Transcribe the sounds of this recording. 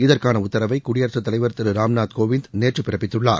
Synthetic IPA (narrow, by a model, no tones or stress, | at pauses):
ɪðɐrkaːnɐʊt̪ːɐɾɐʋɐɪkʊɽɪjɐɾt̪rɐt̪ːɐlɐɪʋɐɾɐt̪ːɐɾɯɾaːmnaːt̪koːʋɪnd̪neːʈrɯpɪɾɐpːɪt̪ːɯɭːa̰ːɾ